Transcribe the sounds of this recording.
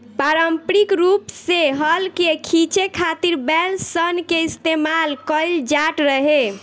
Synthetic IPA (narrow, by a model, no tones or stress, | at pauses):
paɾəmpɾikɾupseɦəlkekʰit͡ʃekʰat̪iɾbɛlsənkeist̪emalkəjld͡ʒaʈɾəɦe